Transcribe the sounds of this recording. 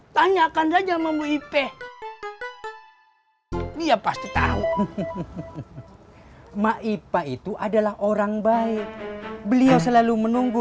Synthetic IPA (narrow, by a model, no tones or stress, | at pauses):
t̪aɲakansad͡ʒamamuipɛ | diapast̪it̪a̰u | maʔipait̪uʔadalahʔoɾaŋbaɪk̚bəliawsəlalumənuŋɡu